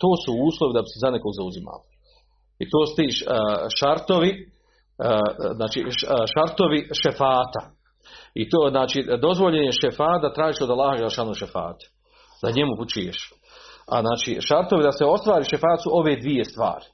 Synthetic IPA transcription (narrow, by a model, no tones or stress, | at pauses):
t̪oːsuuːslˠoʋid̪abi̥sezaneko̞ɡzauzima̰li | it̪oːst̪iːʃʃaɾt̪o̞ʋi | znaːt͡ʃḭːʃaɾt̪o̞ʋiʃefaːt̪a | it̪oznaːt͡ʃiːd̪o̞zʋo̞ʎeɲeʃefaːt̪̚d̪at̪ɾaːʒiʃo̞d̪alːaːhad͡ʒelˠeʃaːnoʃefa̰ːt̪u̥ | d̪aɲemuput͡ʃujḛʃ | a̰znaːt͡ʃiːʃaɾt̪o̞ʋid̪aseo̞st̪ʋaːɾiːʃefaːt̪suʔo̞ʋeːd̪ʋije̞st̪ʋa̰ːɾi̥